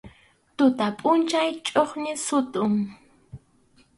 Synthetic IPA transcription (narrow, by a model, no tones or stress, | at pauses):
t̪ʊt̪apʼʊnt͡ʃajt͡ʃʼoχnɪsʊt̪ʊŋ